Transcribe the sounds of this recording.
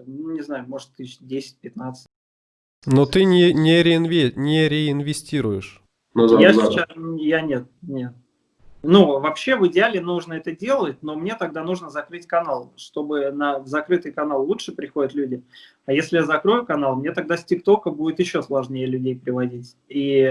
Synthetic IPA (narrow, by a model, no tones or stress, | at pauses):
nunʲɪznajʊmo̞ʐɨt̪ɨdʲesʲɪ̥t̚ʲpʲɪt̪nat̪sɨ̥tʲ | not̪ɨnʲɪnʲɪɾʲɪnvʲenʲɪɾʲɪɪnvʲɪsʲtʲiɾʊjɪʂ | njasʲɪt͡ɕasjanʲet̪̚nʲet̪̚ | nuvɐpɕːe̞vɨɪdʲɪalʲɪnuʐnəɛt̪ədʲe̞lˠət̚ʲno̞mnʲe̞t̪ɐɡ̚d̪anuʐnəzɐkɾɨtʲkɐnalˠʂt̪o̞bɨnəvzɐkɾɨt̪ɨjkɐnalˠːuʂɨpɾʲɪxo̞dʲət̪lʲudʲɪ | ɐjesʲlʲɪjazɐkɾo̞jʊkɐnalˠmnʲe̞t̪ɐɡ̚d̪asʲtʲɪkt̪o̞kəbudʲɪt̪jɪɕːo̞slˠɐʐnʲejəlʲʉdʲejpɾʲɪvɐdʲitʲ | i